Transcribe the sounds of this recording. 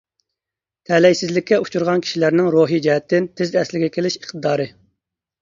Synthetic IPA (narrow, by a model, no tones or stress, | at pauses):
t̪ʰɛlɛjsɪzlɪkʲːɛu̥t͡ʃʰuɾʁɑnkʲʰi̥ʃilæɾnɪŋɾoːɦid͡ʒɛɦɛt̪ʰːɪnt̪ʰɪzɛslɪɡʲɛkʲʰelɪʃiχt̪ɨd̪ɑːɾɨ